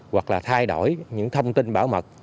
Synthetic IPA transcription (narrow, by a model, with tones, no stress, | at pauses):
wa˨˩k̚laː˨˩t̪ʰaː˧jɗo̰˧˩jɲɨ̰˧˥ŋt̪ʰə˧wŋ͡mt̪i˧nɓaː˧˦wmə˨˩t̚